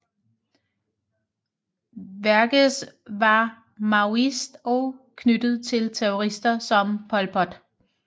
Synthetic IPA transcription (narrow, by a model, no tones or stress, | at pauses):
ʋæɐɡ̥əs | ʋɑ̈ | mɑ̈ʊisd̥ɒ̽ʊkʰnyd̥ð̞̩ˠt͡sʰe̝lt͡sʰeoʁisd̥ɐsɒ̽mpʰɒ̽lpʰɒ̽d̥